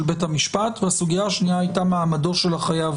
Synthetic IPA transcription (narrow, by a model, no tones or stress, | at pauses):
lbethamiʃpatveasuɡijaaʃnijaajtamaːmado̞tʃe̞lhaχajav